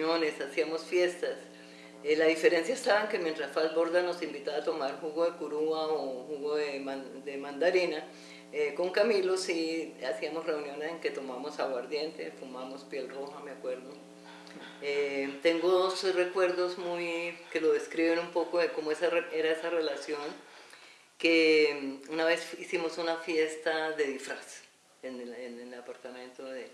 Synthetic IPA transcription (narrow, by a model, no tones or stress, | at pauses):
one̞sasiamo̞sfje̞st̪as | elaðife̞ɾe̞nsjaest̪aβaeŋkemje̞nt̪ɾasfalbo̞ɾd̪ano̞simbit̪aat̪o̞maɾhuɣoðekuɾuaohuɣoðemad̪e̞mãnd̪aɾina | eko̞ŋkamilo̞siasiamosre̞unjo̞ne̞se̞ŋke̞t̪o̞mamo̞saɣwaɾd̪je̞nt̪e̞fumamo̞spje̞lro̞hameakwe̞ɾðo̞ | et̪e̞ŋɡo̞ðosre̞kwe̞ɾd̪o̞zmujke̞lo̞ðe̞skɾiβenumpo̞koeko̞moesaree̞ɾaesare̞lasjo̞ŋ | ke | unaβe̞sisimo̞sunafje̞st̪aðe̞ðifɾas | eneenenelapaɾt̪amẽ̞nt̪oðe